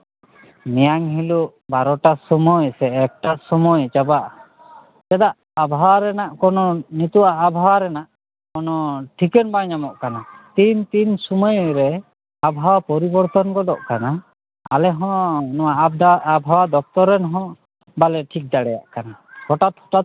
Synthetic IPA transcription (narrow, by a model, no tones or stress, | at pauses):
mijaŋɦiluʔ | baɾɔʈasɔmɔjsɛɛk̚ʈasɔmɔjt͡ʃabaʔ | t͡ʃɛd̪aʔ | abʱawaɾɛnaʔkɔnɔnit̪uaʔːbʱawaɾɛnaʔ | kɔnɔʈʰikɛnbaɲamɔʔkanat̪int̪insumɔjɾɛ | abʱawapɔɾibɔɾt̪ɔnkɔd̪ɔʔkanaː | lɛɦɔ̃nɔwaʔd̪aabʱawad̪ɔk̚t̪ɔɾɛnɦɔ̃ | balɛʈʰik̚d̪aɽɛja̰ʔkanakɔʈat̪ɔ̥ʈa